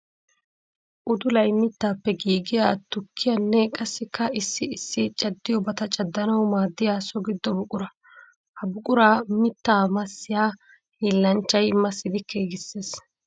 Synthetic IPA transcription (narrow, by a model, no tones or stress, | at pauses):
ʔʊd̪ʊlɐjmːɪt̪ːaːpːɛɡiːɡɪjaːt̪ʊkʰːɪjɐnːɛkʼɐsːɪkːɐɪsːɪɪsːɪt͡ʃʼɐd̪ːɪjɔbɐt̪ɐt͡ʃʼɐd̪ːɐnɐwmaːd̪ːɪjaːsɔɡɪd̪ːɔbʊkʼʊɾɐ | hɐbʊkʼʊɾaːmɪt̪ːaːmɐsːɪjaː | hiːlːɐnt͡ʃːɐjmɐsːɪd̪ɪkːeːɡɪsːeːs